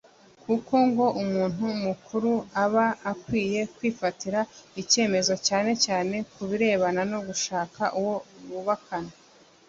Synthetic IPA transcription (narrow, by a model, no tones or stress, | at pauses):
kuko̞ŋɡo̞ʔumuːn̥umukʰuɾuaβaːkwiːje̞kwiːfatiɾaice̞ːme̞zo̞caːne̞caːne̞kuβiɾe̞ːβanano̞ɡuʃaːkaʔuwo̞ɾuβakana